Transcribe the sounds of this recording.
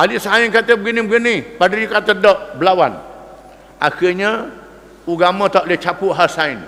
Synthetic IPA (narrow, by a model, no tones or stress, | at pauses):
ʔalisainkat̪əbəɡinibəɡinipadɾikat̪ədɔʔbəlawa̰n | ʔaxiɲə | uɡamə̃t̪aʔlet͡ʃapuɦasain